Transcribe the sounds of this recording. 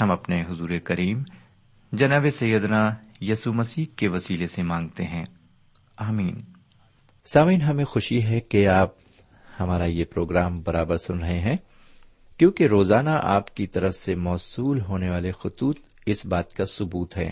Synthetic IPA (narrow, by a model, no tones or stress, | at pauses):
hɐmɐpneɦʊzuːɾekɐɾiːm | d͡ʒɐnaːbesɐjəd̪najɐːsumɐsiːɦkeʋɐsiːlesemãːŋɡt̪eɦɛ̃ː | aːmiːn | saːmiːnɦɐmẽxʊʃiɦɛkeaːp̚ | hɐmaːɾajepɾoːɡɾaːmbɐɾaːbəɾsʊnɾɐɦeɦɛ̃ː | kjõːkeɾoːzaːnaʔa̰ːpkit̪ɐɾəfsemɔːsuːlɦoːneʋaːlexʊt̪uːt̪ | ɪsbaːt̪kasʊbuːt̪ɦɛ̰ː